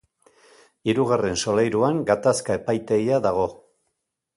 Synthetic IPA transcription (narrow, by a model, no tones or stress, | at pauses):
iɾuɣare̞nso̞lejɾuaŋɡat̪askae̞pajt̪e̞iaðaɣ̞o̞